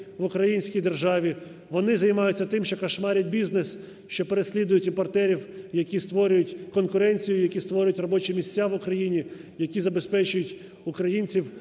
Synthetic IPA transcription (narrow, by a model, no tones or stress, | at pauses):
ʋʊkɾɐjinʲsʲkʲijd̪erʒɑʋʲi | ʋɔnɪzɐjmɑjʊt͡sʲːɐt̪ɪmʃt͡ʃɔkɐʃmɑɾʲɐt̚ʲbʲiznes | ʃt͡ʃɔpeɾesʲlʲid̪ʊjʊtʲimpɔrt̪ɛɾʲiwjɐkʲist̪ʋɔɾʲʊjʊtʲkɔnkʊɾɛnʲt͡sʲijʊjɐkʲist̪ʋɔɾʲʊjʊtʲrɔbɔt͡ʃɛmʲisʲt͡sʲːaʋʊkɾɐjinʲijɐkʲizɐbe̞spɛt͡ʃʊjʊtʲ | ʊkɾɐjinʲt͡sʲiw